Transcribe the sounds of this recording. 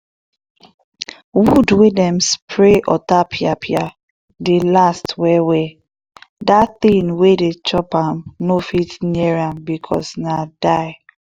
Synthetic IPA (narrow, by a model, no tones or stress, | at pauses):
wudwidɛ̃mspʰɹeʔɔ̰tapʰiapʰia | delastwɛwɛ | daθĩnwedet͡ʃɔpãmnofitniɛɹãmbikʰɔ̰snadaɪ